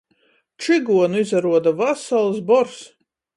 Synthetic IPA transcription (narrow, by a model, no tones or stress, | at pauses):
t͡ʃiɡuɔnuizaɾuɔd̪avasalˠsbɔɾs